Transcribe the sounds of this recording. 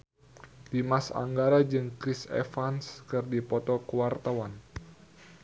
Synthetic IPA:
dimasa̰ŋɡaɾad͡ʒɨŋkɾisɛ̰fanskɨrdipɔt̪ɔkuwart̪awan

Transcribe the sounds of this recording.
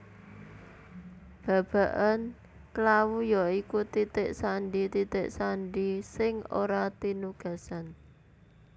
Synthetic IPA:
b̥ä̤b̥a̤ʔan | klawujɔikut̪it̪ɪʔsaɳɖit̪it̪ɪʔsanɖisɪŋo̰ɾat̪inuɡ̥a̤san

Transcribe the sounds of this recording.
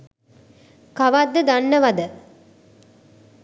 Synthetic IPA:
kaʋad̪ːəd̪anːəʋad̪ə

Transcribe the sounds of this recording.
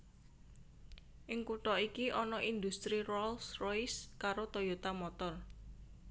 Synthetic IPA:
ʔɪŋkuʈɔikiʔɔnɔʔind̪ust̪ɾirɔlsrojskaɾot̪ojot̪amɔt̪ɔr

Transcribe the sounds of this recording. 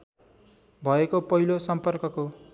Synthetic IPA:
bʱʌekopʌɦilosʌmpʌrkʌko

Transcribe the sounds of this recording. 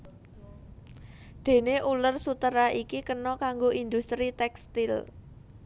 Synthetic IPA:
d̪̥e̤neʔulərsut̪əɾaʔikikənɔkaŋɡoʔind̪ust̪ɾit̪ɛkst̪ɪl

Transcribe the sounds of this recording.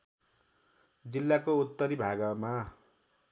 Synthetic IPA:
d͡zilːakout̪ːʌɾibʱaɡʌma

